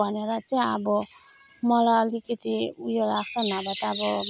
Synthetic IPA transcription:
ʌneɾʌt͡saĩʌbʌ | mʌlaʌlikʌt̪iujolaɡt͡sʰʌnabat̪ːbʌ

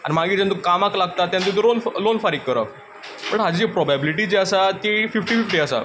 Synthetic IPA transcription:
a̰nimaɡiːd͡ʑant̪ukamaklaɡ̚t̪at̪ːjant̪it̪lonflonfaɾikːəɾa̰ | pəɳɦad͡ʑid͡ʑepɾɔbabiliʈid͡ʑeəsat̪efifʈiːfifʈiasa̰

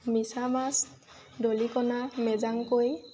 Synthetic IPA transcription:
misamas | dolikɔnamɛzaŋkoj

